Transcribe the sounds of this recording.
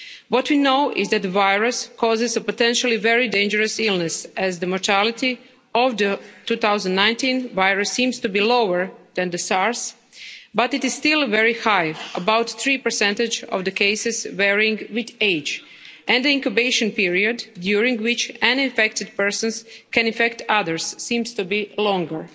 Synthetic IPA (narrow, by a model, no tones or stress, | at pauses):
wɔtwinoʊʔɪzdæt̚d̪əvajɹɨskʰɔzɪzəpotɛ̃nʃal̩ˠiʋɛɹidẽɪnd͡ʒəɾɨsɪlˠnɛsæzd̪əmɔɹtʰælˠɪt̪i | ɔʋd̪ətuːt̪awzə̃ndnãjntĩnʋajɹɨsːĩmstubiːlowəɹd̪ɛ̃nd̪əsɑɹs | bat̪ɪtɪz̥st̪ɪlˠʋɛɹihajəbawt̪θɹiːpə˞sɛ̃ntɪd͡ʒɔ̰ʋd̪əkeɪsɪzwɛɹɪ̃ŋɡwɪd̪eɪd͡ʒ | ʔɛ̃nd̪əĩŋkubeɪʃə̃npiɹiodːjuɾɪ̃ŋɡwɪt͡ʃãnɪ̃nfɛk̚tɪdpɜɹsə̃nskɛ̃nɪ̃nfɛktʰaðəɹsːĩmstubilɔ̃ŋɡəɹ